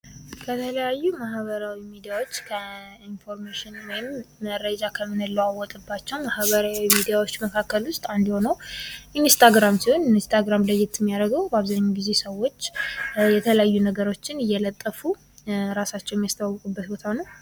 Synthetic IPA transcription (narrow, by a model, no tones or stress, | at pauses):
kʰət̪ʰələjajːumaɦβəɾawimid̪ijawo̞t͡ʃːkʰəinfo̞ɾmaʃɪnwɔjɪmːəɾəd͡ʒakʰəmːɨnɨlːəwawɔt̪ʼɨbːat͡ʃːɛwmahβəɾawimid̪ijawot͡ʃːməkʰakːəlʊst̪ʼand̪ho̞nəwʔinst̪ʰaɡɾamsihonnst̪ʰaɡɾamləjːɪt̪ɪmːijaɾəɡəwbəaβzaɲːaɡizesəwːo̞t͡ʃːjɛt̪ʰələjajːunəɡəɾo̞t͡ʃːɪnɪjːɛlət̪ʼːəfu | ɾasat͡ʃːɛwjɛmijast̪ʰəbawːəkʼubːət̪̚bot̪ʰanəw